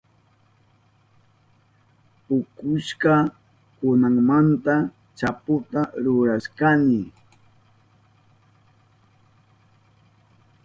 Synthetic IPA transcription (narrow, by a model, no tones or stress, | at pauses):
pʊkʊʃka | kʊnaŋmant̪a | t͡ʃapʊt̪aɾʊɾaʃkanɪ